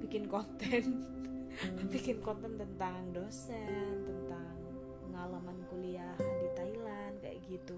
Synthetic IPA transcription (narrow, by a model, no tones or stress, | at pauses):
pikɪnkɔnt̪ɛn | pikɪnkɔnt̪ɛnt̪ənt̪aŋdosɛnt̪ənt̪a | ŋ | pəŋalamankuliaɦndit̪ailandka̰ja̰ɡit̪u